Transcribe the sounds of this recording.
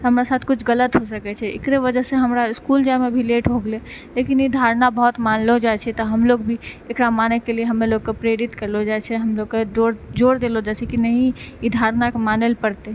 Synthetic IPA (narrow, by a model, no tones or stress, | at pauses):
ɦəmɾasat̪ʰkut͡ʃʰɡələt̪ɦosəkɛt͡ʃʰɛḛkɾeβəd͡ʒəseɦəmɾaiskuld͡ʒamebʱileʈbʱoɡlɛ | lekinid̪ʱaɾnabəɦɔt̪manlɔd͡ʒat͡ʃʰɛt̪ɔɦəmloɡbʱiekɾamanɛkelieɦəmeloɡkepɾeɾit̪kəɾlɔd͡ʒajt͡ʃʰɛɦəmloɡkeoɾd͡ʒoɾd̪elɔd͡ʒat͡ʃʰɛkinəɦĩid̪ʱaɾnakemanelpəɾt̪e